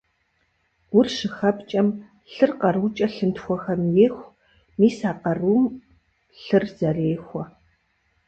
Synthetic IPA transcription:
ɡʷʊrʃɨxɐpt͡ʃʼɐm | ɬɨrqɐruːt͡ʃʼɐɬɨntxʷɔxɐmjeːxʷ | miːsaːqɐruːm | ɬɨrz̥ɐreːxʷɔ

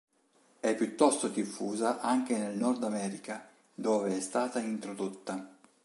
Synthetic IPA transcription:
ɛpːjut̪ːɔst̪od̪ifːuːzaʔaŋk̟enelnɔrd̪amɛːɾika | d̪oːveɛst̪aːt̪aint̪ɾod̪ot̪ːa

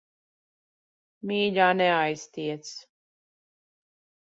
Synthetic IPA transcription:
mʲiːʎaːnɛajst̪iɛt̪s

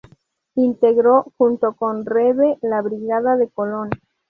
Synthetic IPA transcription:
int̪e̞ɣɾo̞xunt̪o̞ko̞nreβelaβɾiɣaðaðe̞ko̞lo̞n

